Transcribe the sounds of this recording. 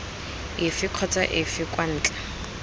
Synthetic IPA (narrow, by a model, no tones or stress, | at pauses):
ɪfɪkʰɔt͡sʼaʔɪfɪkwan̩ːt͡ɬʼḁ